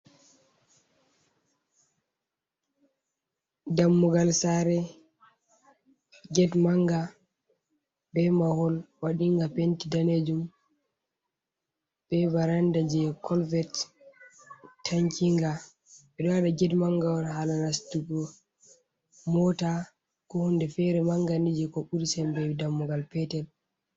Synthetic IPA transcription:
damːuɡalsaɾɛ | ɡɛdmaŋɡa | bɛmahɔlwaɗiŋɡapentidaned͡ʒum | b̥ɛbaɾandad͡ʒɛkʰɔlvɛt | tʰːaɲkiŋɡa | ɓɛɗɔwaɗaɡɛdmaŋɡawɔnɦalanastuɡɔ | mɔta | kɔhundɛfɛɾɛmaŋɡandid͡ʒɛkɔɓuɾisɛmbɛwidamːɔɡalpɛtɛl

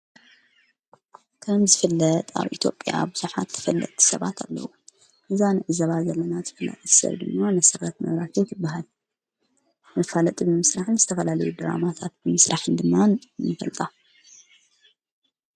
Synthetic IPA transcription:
kʰɐmzɨfɐlːɐt̪ʼa̰βʔit̪ʰjopʼja̰bɨzuħat̪ʰːɐ̥fɐlːɐ̰t̪ʼsɐβat̪ʰalːɐ̰wu | ʔɨzanɨʕɨzɐβazɐlːɐnazɨfɐla̰t̪ʼɨsɐ̰βd̪ɨmːamɐsɐrɐt̪mɐ̰βɾaket̪ʰɨbːaɦal | mɐfalɐt̪ʼibɨmɨsɾaħɨnzɨt̪ʰɐfɐlalɐjud̪ɨɾa̰mat̪ʰat̪̚bɨmɨsɾaħɨnd̪ɨmːanɨfɐ̰lt̪ʼa

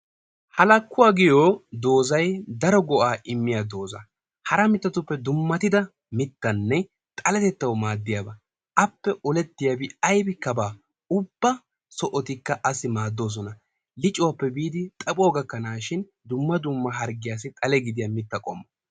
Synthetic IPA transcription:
hɐlɐkːʊwaːɡɪjoːd̪o̞ːzɐjd̪ɐɾɔɡɔʔaːʔɪmːɪjad̪o̞ːzɐ̰ | hɐɾɐmɪt̪ːɐt̪ʊpːɛd̪ʊmːɐt̪ɪd̪ɐ | mɪt̪ːɐnːɛ | t̪ʼɐlɛt̪ɛt̪ːɐwmaːd̪ːɪjaːbɐ | ʔɐpːɛʔɔlɛt̪ːɪjabɪɐjbɪkːɐbaː | ʊbːɐ | sɔʔɔt̪ɪkːɐʔɐsɪmaːd̪ːo̞ːs̬ɔnɐ | lɪt͡ʃʼːʊwɐpːɛbiːd̪ɪt̪ʼɐpʼʊɔːɡɐkːɐnaːʃɪn | d̪ʊmːɐd̪ʊmːɐɦɐɾɡɪjaːs̬ɪt̪ʼɐlɛɡɪd̪ɪjɐmɪt̪ːɐkʼɔmːɐ

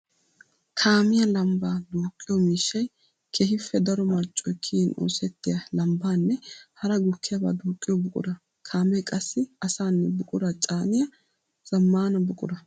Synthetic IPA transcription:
kʰaːmɪjɐlɐmbaːd̪uːkʼːɪjɔmiːʃːɐj | kʰehɪfːɛd̪ɐɾɔmɐɾt͡ʃʼːɔjkʰiːnʔo̰ːsɛt̪ːɪjɐlɐmbaːnːɛhɐɾɐɡʊkːɪjɐba̰ːd̪uːkʼːɪjɔbʊkʼʊ̰d̪ɐ | kʰaːmɛjkʼɐsːɪɐsaːnːɛbʊkʼʊd̪ɐt͡ʃʼaːnɪjɐ | z̥ɐmːaːnɐbʊkʼʊd̪ɐ

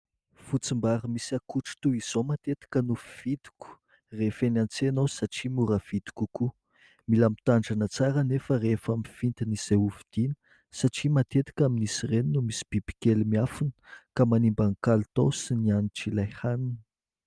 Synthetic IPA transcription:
fut͡simbaɾəmisakuʈ͡ʂu̥t̪uiz̥omat̪et̪i̥kənufiv̥id̪i̥kʲu̥ | refenant͡senosaʈ͡ʂimuɾəv̥id̪̥i̥kuku | milamit̪aɳɖ͡ʐanət͡saɾənefərefamifint̪inizeuvid̪̥inə̥ | saʈ͡ʂimat̪et̪i̥kʲaminisireninumisi̥b̥ib̥i̥kelmiafunə̥kamanimbaŋkalt̪osinianiʈ͡ʂilajhanin̥

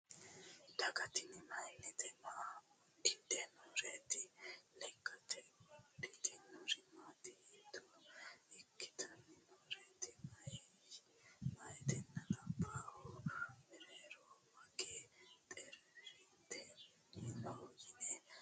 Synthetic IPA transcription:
d̪̥ɐɡɐt̪ɪnɪmɐjnːɛt̪ɛna | dɪd̪ɛnɔːɾeːt̪ɪlɛkʰːɐt̪ʰɛdɪt̪ɪnɔɾɪmat̪ɪid̪ɔɪkːɪ̥t̪ɐnːɪnɔːɾeːt̪ɪmɐj | mɐjt̪ɛnːɐnɐbaːhɔmɛɾeːɾɔmɐɡet̪ʼɛɾi | t̪ːɛ | ɪnoːɡɪnɛ

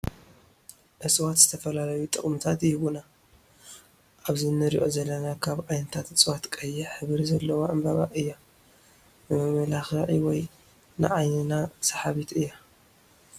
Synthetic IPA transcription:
ʔɨsʼwat̪z̥ɨt̪ʰɐfɐlalɐjut̪ʼɨχʼmɨt̪ʰat̪jɪhβuna | ʔaβzinɨɾḭʔo̞zɐlːɐnakʰaβʕajnɐt̪ʰat̪ʔɨsʼwat̪kʼɐjːɪħɨβɾizɐlːɐwaʔambɐβa̰ʔɨjːa | mɨmɐmɐlaxaʕiwɔj | nɨ̰ʕajnɨnasɐ̥ħaβit̪ɨjːa

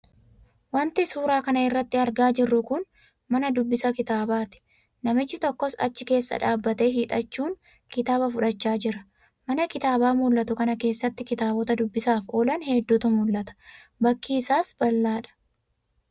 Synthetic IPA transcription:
wɐnt̪ɪsuːɾaːkɐnɐɪrːɐt̪ːɪɐɾɡaːd͡ʒɪrːʊkʊn | mɐnɐd̪ʊbːɪsɐkɪt̪aːbaːt̪ɪ̥ | nɐmɪt͡ʃːɪt̪ɔkːɔsɐ̰t͡ʃːɪke̞ːsːɐ̰ᶑaːbːɐt̪e̞ːɦiːᶑ̪ʼɐt͡ʃːuːŋ | kɪt̪aːbɐfʊᶑɐt͡ʃːaːd͡ʒɪɾɐ | mɐnɐkɪt̪aːbaːmʊlʔːɐt̪ʊkɐnɐke̞ːsːɐt̪ːɪkɪt̪aːbɔt̪ɐd̪ʊbːɪsaːfoːlɐnhed̪ːʊt̪ʊmʊlːɐt̪ɐ̥bɐkːiːsaːsbɐlːaːᶑɐ̥

